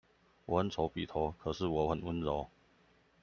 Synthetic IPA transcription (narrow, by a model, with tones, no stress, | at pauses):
wɔ˨˩ə˧˦nt͡sʰo˧˥ʊpḭ˨˩t̪ʰo˧˥˦kʰɤ˨˩ʂɻ̩˥˩wɔ˧˥xə˨˩nwə˦˥nɻo˨˦ʊ